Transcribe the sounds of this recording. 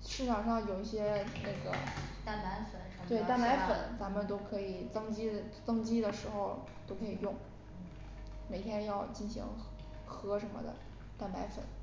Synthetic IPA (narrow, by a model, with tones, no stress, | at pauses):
ʂɻ̩˥˩ʈ͡ʂʰɑ˨˩ŋʂɑ˥˩ŋjo˨˩ʊi˥˩ɕjɛ˥na˥˩ɡə̰˩t̪a˥˩pa˧˥ɪfə˨˩˦nʰ˧˥we˥˩ɪt̪a˥˩npa˧˥ɪfə̰˨˩˦nt͡sa˧˥mə˨nt̪o˥ʊkʰɤ˧˥i˨˩t͡sɤ˥ŋt͡ɕi˥˨˩t͡sɤ˥ŋt͡ɕi˥d̪ə˨ʂɻ̩˧˥xo˧ʊ | t̪o˥ʊkʰɤ˧˥i˨˩jʊ˥˩ŋ̩˩ | me˨˩ɪt̪ʰjɛ˥njɑ˥˧ʊt͡ɕi˥˩nɕḭ˧˥ŋ | xɤ˧˥ʂə˧˥nmə̰˧d̪ə̰˩ | t̪a˥˩npa˧˥ɪfə̰˨˩˦n